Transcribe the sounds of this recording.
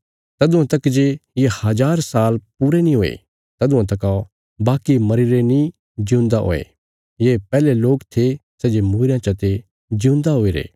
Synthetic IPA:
t̪ɐd̪ʊãt̪ɐkːd͡ʒejehɐd͡ʒaːɾsaːlpuɾenĩɦoːḛ | t̪ɐd̪ʊãt̪ɐkao | baːkimɐɾiɾenĩ | d͡ʒjũːnd̪aɦo̰ːḛ | jeːpɛːleloːkt̪ʰesɛːd͡ʒemuːɾjãt͡ʃɐt̪e | d͡ʒũːnd̪aɦoːiɾḛː

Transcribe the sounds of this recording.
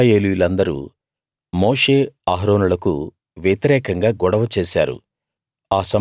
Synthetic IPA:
jeːlujulɐnd̪ɐɾṵː | mo̞ːʂeːaːɦɾoːnulɐkṵ | ʋjɐt̪iɾɛːkɐŋɡaːɡɔɽɐʋɐt͡ʃeːsa̰ːɾṵ | aːsɐ

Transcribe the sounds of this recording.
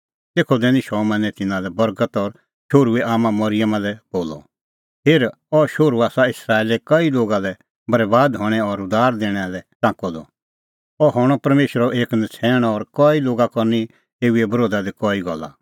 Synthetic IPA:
t̪eːkʰɔd̪ɛːniʃɔmɐ̃nɛ̃t̪ɪnãlɛbɐɾɡət̪ɔɾ | ʃoːɾueʔaːmãmɐɾɪjəmalɛboːlɔ̰ | peːɾ | ɔʃoːɾuaːsaɪsɾaːeːlekɐiloːɡalɛ | bɐɾbaːd̪ɦɔɽ̃ɛɔɾʊd̪aːɾd̪eːɽ̃ɛalɛt͡sãːkɔd̪ɔ̰ | ɔɦɔɽ̃ɔpɐɾmeːʃɾɔʔeːknɐt͡sʰɛːɽ̃ɔɔɾkɔiloːɡakɔɾni | eːuebɐɾoːd̪ad̪ikɔːiɡɔ̰lːa̰

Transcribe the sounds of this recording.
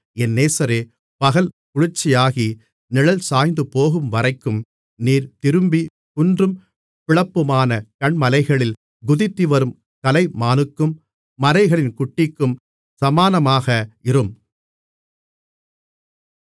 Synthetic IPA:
ɛnːeːsɐɾeː | pɐɣɐl | kʊɻɪrt͡ʃːɪjaːɣi | nɪɭɐlsaːjnd̪ɯpoːɣɯmʋɐɾɐɪkːɯm | niːɾt̪ɪɾɯmbi | kʊndrɯm | pɪɭɐpːɯmaːnɐkɐɳmɐlɐɪɣɐɭɪl | ɡʊðɪt̪ːiʋɐɾɯm | kɐlɐɪmaːnɯkːɯmː | ɐlɐɪɣɐɭɪnkʊʈːɪkːɯm | sɐmaːnɐmaːɣɐɪrɯm

